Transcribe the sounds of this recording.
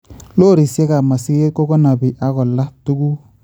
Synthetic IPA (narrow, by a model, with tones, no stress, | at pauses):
lo˦˨ɾi˨sɛ˦ka˨ma˨si˦e˦ko˦ɡɔ˦na˨bi˨ʔa˦ɡɔ˨la˦tu˦ɡu˦